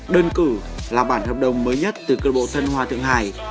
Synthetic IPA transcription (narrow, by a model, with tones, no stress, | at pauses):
ɗəː˧nkɨ˧˩laː˨˩ɓaː˧˩nhəː˨˩p̚ɗə˨˩wŋ͡mməː˨˦jɲə˦˥t̚t̪ɨ˨˩kəː˧ɓo̰˧˨t̪ʰə˧nhwaː˨t̪ʰɨ̰˧˨əŋha̰ː˧˨j